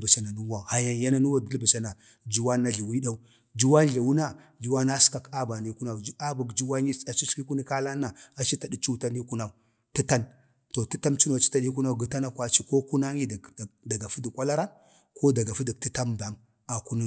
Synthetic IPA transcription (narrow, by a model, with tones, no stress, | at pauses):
ba˨sa˨na˨nu˦wa˨ha˨ja˨nja˦na˦nu˦wa˦də˦lba˨sa˨na˨ | d͡ʒu˦wa˦nːa˦ɮi˨wi˦ɗa˦u˦ | d͡ʒu˦wa˦n˦ɮi˨wu˦na˦d͡ʒu˦wa˦na˦ska˨ka˦ba˨ni˦ku˦na˨d͡ʒa˦bu˨ɡd͡ʒu˦wa˦ɲi˦a˨t͡ʃi˦ɬki˦ku˦ni˦ka˦la˦nːa˨a˨t͡ʃi˦ta˨di˦t͡ʃu˦ta˦ni˦ku˦na˦˨u˨ | ti˦ta˦n | to˨ti˦ta˦mt͡ʃi˦no˨t͡ʃi˦ta˦ɗi˦ku˦na˦˨ɡi˨ta˦na˦kʷa˦t͡ʃi˦ko˦ku˦na˦ŋi˦dda˨ɡa˨fu˦di˨kʷʼa˦la˦ɾa˦n | kʰo˦da˨ɡa˨fi˦di˨k̚ti˦ta˦mba˨m | a˨ku˦ni˦